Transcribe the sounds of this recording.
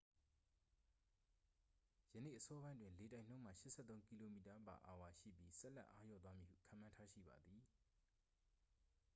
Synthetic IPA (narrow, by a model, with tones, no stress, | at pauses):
jə˨nḛ˦˨ʔəsɔ˦bã˦ndwɪ̃˨nle˨tã˨ɪ̃n̥õ˦ʊ̃m̥ä̰˦˨ʃɪ˦ʔsʰɛ̰˦˨t̪õ˦ʊ̃ŋki˦lo˦˨mi˨ta˨ba̰˨ʔa̰˨wa˨ʃḭ˦˨pji˦sɛ˦ʔlɛ˦ʔa˦jɔ̰˦˨t̪wa˦mi˨hṵ˦˨kʰã̰˨mã˦ntʰa˦ʃḭ˦˨ba˨d̪ði˨